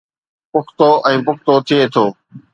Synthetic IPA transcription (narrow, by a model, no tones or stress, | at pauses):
pʊkʰt̪oʔɛ̃ːpʊk̚ʰt̪ot̪ʰiet̪ʰoː